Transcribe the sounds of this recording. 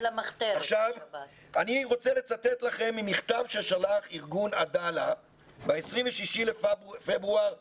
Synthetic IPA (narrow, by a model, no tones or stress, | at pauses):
lmaχt̪eaχʃav | aniʁo̞t͡sele̞t͡sat̪et̪laχe̞mːimiχt̪avʃelʃalaχiʁɡunad̪ala | beesʁiɱveʃiʃilefebʁuaʁ